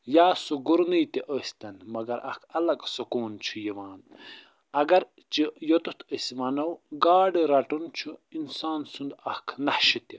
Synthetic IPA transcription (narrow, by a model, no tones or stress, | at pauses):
jaːsuɡuɾnijt̪iʔəsʲt̪ɐnmɐɡɐɾɐ̰kʰɐlɐksokoːnt͡ʃʰujiʋaːn | ɐɡɐɾ | t͡ʃijot̪ut̪ʰəsmɐnɐwɡaːɖiɾɐʈunt͡ʃʰuinsaːnsund̪ɐhkʰnɐhʃit̪i